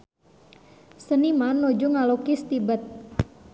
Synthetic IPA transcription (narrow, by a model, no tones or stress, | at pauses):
sənimanːod͡ʒuŋalokist̪ibət̪̚